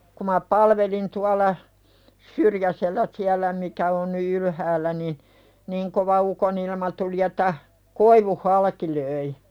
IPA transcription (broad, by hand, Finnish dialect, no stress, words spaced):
ku mɑ pɑlʋelin tuɑlɑ syrjæselːæː siælæ mikæ on ny ylhæːlːæ nin̥ niŋ koʋɑ ukonilmɑ tuli etˑæ koiʋuh hɑlɑki løi